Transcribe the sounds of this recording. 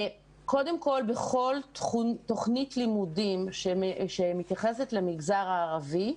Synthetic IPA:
ko̞demko̞lbeχo̞ltχuto̞χnitlimudimʃeʃemit̪jaχesetlemiɡzaʁaːʁavi

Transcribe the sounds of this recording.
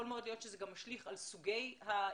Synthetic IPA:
o̞lmeo̞d̪lijo̞t̪ʃezeɡamːaʃliχalsuɡe̞jha

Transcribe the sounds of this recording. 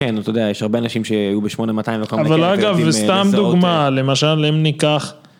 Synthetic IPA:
kent̪od̪eajeʃhaʁbeanaʃimʃeajubeʃmonemat̪ajĩmvekoaavalaɡavest̪amd̪uɡmale̞maʃalemnikaχ

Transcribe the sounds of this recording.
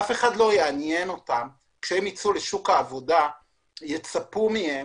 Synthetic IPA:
afe̞χadlo̞jeanjeno̞tam | kʃeemit͡suleʃukaːvo̞da | jet͡sapumihe

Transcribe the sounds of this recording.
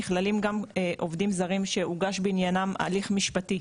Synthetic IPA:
iχlalimɡameʔo̞vdimzaʁimʃe̞uɡaʃbiinjanama̰liχmiʃpati

